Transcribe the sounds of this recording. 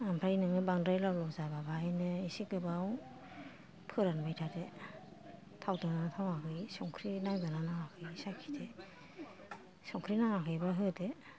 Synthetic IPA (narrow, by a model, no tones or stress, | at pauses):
ampʰɾajnɯŋɯbaŋdɾajlawlɔwzababajnɯisikɯbaw | pʰɯɾanbajtʰade | tʰawdɯnatʰawakʰɯjsɔŋkʰɾinawdɯnanawakʰɯjsakʰi̥tʰe | sɔŋkʰɾinaakʰɯjbaɦɯde